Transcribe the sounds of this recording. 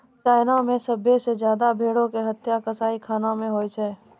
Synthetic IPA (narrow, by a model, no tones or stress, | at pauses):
t͡ʃaːɪnamẽsəbʱesed͡ʒjaːd̪abʱeːɽõkeɦət̪jakəsaːikʰaːnãmẽɦoːjt͡ʃʰɛː